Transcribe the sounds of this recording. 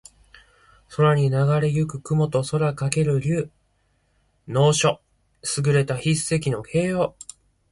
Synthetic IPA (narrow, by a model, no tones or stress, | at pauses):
so̞ɾaɲ̟inaɡaɾe̞jɯkɯ̟kɯ̟mo̞t̪o̞so̞ɾakake̞ɾɯ̟ɾʲɯː | no̞ːɕo̞ | sɨɡɯ̟ɾe̞t̪açise̞kʲino̞hʰe̞ːjoː